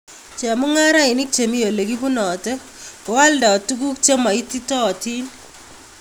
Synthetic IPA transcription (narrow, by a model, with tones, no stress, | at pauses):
t͡ʃa˨mu˦ŋa˦ɾa˦ɪ˨nɪ˦k̚t͡ʃe˨mi˦jo˨le˨ki˦bu˦nɔ˨tɛ˦ | kɔ˨˦wa˦lda˨ɔ˨tu˦ɡ̬u˦k̚t͡ʃe˦ma˨i˦ti˦tɔ˦ɔ˨ti˦n